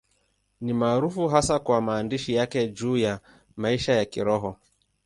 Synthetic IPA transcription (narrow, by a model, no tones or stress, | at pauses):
nimaːɾufuɦasakwamaːndiʃijakɛd͡ʒuːja | maiʃajakiɾɔɦɔ